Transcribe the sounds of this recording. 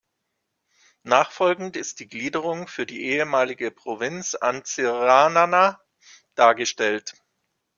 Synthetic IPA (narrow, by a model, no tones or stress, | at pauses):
naːχfɔlɡŋ̩tɪst̚d̥iːɡliːdəʁ̞ʊŋfyːɐdiːʔeːəmaːlɪɡəpʁ̥ovɪnt͡sa̰nt͡sɪʁanana | d̥aːɐɡəʃtɛlt